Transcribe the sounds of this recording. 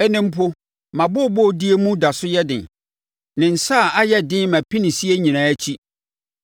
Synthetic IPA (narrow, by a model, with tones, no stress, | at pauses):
ɛ˦nɪ̃˦m̩˦pʰʊ˦ | mã˨bʊ˦˨bɔ˦˨di˦e˦mũ˦da˨sʊ˦jɛ˦dɪ̰̃˨n | nɪ̃˨n̩˨sa˦˨a˦jɛ˦dɪ̃˦mæ̃˨pʰi˦nɪ̃˨si˦e˦ɲĩ˨ñãː˨˦æ˦t͡ɕʰi˦